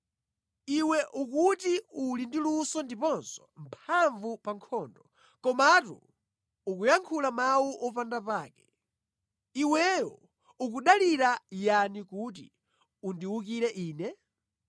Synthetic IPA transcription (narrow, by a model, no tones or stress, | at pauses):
iwɛʔukutiulindilusɔndipɔnsɔ̥mpʰaɱvupaŋkʰɔːndɔ | kɔmatṵ | ukujaŋkʰulamawuʔɔpandapaːkɛ̥ | iwɛjɔ | uk̬uɗaliɾajanikut̬ḭ | undiwukiɾɛʔiːnɛ